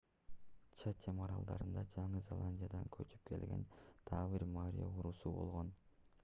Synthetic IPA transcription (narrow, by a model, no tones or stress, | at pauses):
t͡ʃʰat̪ʰʲemɑɾɑlˠd̪ɑɾɯnd̪ɑd͡ʒɑɴɯzʲe̞lˠanʲdʲijad̪ɑŋkʰøt͡ʃy̥p̚kʰe̞̰lɡe̞̰nt̪ʰɑːβiɾmaɾ̰ʲjo̰uɾusubo̞̰lˠʁo̞n